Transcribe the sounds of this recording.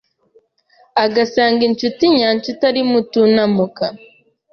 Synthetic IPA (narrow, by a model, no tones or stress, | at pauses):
aɡasaːŋɡiɲt͡ʃutiɲaːɲt͡ʃutaɾimutunamuka